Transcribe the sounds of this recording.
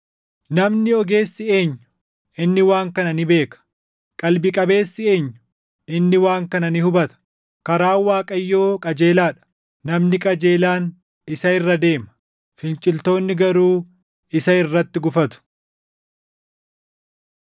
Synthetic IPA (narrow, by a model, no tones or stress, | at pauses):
nɐmnɪɔɡe̞ːsːɪe̞ːɲːʊ̥ | ɪnːɪwaːŋkɐnɐnɪbe̞ːkɐ̥ | kʼɐlbɪkʼɐbe̞ːsːɪe̞ːɲːʊ̥ | ɪnːɪwaːŋkɐnɐnɪhʊbɐt̪ɐ̥ | kɐɾaːwaːkʼɐjːo̞ːkʼɐd͡ʒeːlaːᶑɐ̥ː | ɐmnɪkʼɐd͡ʒe̞ːlaːn | ɪsɐɪrːɐd̪e̞ːmɐ | fɪnt͡ʃʼɪlt̪o̞ːnːɪɡɐɾuː | ɪsɐɪrːɐt̪ːɪɡʊfɐt̪ʊ̥